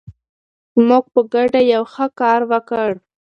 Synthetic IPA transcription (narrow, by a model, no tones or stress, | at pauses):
zmuɡ̚pəɡaɖajawxəkɑɾwəkəɽ